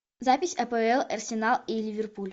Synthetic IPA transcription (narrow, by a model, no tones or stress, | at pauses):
zapʲɪsʲɐpəɛlˠɐrsʲɪnalˠilʲivʲɪrpulʲ